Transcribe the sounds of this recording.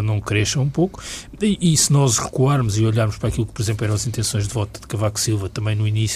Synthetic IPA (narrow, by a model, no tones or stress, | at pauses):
nɐ̃w̃kɾɛʃɐ̃ũpoku̥ | iʔːsɨnɔʒʁɨkuaɾmuziɔʎaɾmuʃpɾaːkilˠuk̚pɔɾizẽplˠɛɾɐ̃w̃ɐzĩnt̪ẽsõj̃ʒd̪vɔt̪ud̪ɨkɐvakusilˠvɐt̪ɐmɐ̃j̃nuinis